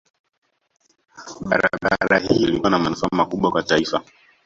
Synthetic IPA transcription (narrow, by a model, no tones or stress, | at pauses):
ɓaɾaɓaɾahiliwanamanufaːmakuɓwakwataifa